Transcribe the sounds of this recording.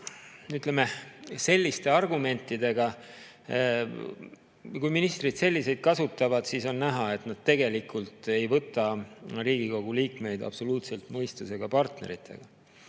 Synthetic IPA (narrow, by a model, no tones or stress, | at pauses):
yt̪lemese̞lʲːist̪e̞ɑrɡume̞nt̪ːˑid̪e̞ɡ̥ɑ | kujminist̪rid̪̥se̞lʲːise̞jd̪̥̚kɑsut̪ːˑɑvɑd̪̥siso̞nːæɦɑet̪nɑd̪̥̚t̪e̞ɡe̞likult̪ˑe̞jvɤt̪ːˑɑriːɡ̥iko̞ɡ̥uliːkme̞jd̪ɑ̰b̥so̞luːt̪se̞lt̪mɤjst̪use̞ɡ̥ɑpɑrt̪ne̞̰ɾit̪ʰːˑe̞̰ɡ̥ɑ